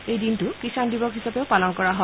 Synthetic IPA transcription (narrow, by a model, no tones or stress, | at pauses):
ejdintʊkisandibɔkɦisapeʊpalɔnkɔɹaɦɔ